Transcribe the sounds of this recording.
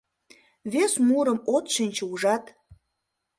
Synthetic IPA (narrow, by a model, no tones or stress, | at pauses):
βesmuɾə̆mot̪ʃinʲt͡ɕəuʒɑt̪